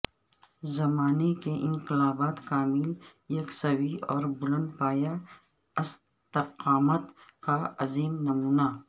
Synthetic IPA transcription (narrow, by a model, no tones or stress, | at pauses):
zɐmaːnekeʔɪ̃nqɪlaːbaːt̪kaːmɪljɐksɐwiɔːɾbʊlə̃nd̪̚paːja | ɐs | t̪ɪqaːmət̪kaɐziːmnɐmuːna